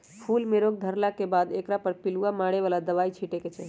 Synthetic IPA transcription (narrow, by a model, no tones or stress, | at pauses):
pʰulmeɾoɡ̚d̪ʱəɾlakebad̪ekɾapəɾpiluamaɽeʋalad̪əʋait͡ʃʰiʈeket͡ʃaɦi